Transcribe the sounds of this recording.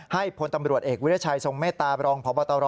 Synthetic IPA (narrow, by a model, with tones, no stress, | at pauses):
ha˥˩jpʰo˨˦nt̪a˧mɾu˨˩t̪ʔeː˨˩k̚wu˦˥t̪ʰːt͡ɕʰa˧jso˨˩ŋmeː˥˩t̪ːaː˧ɾɔː˧ŋpʰɔː˨˦bɔː˧t̪ɔː˧ɾɔ˦˥